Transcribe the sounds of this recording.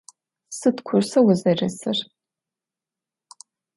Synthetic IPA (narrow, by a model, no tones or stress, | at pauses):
sɨtkʷʰʊrsɐwʊzɐrɐsɨr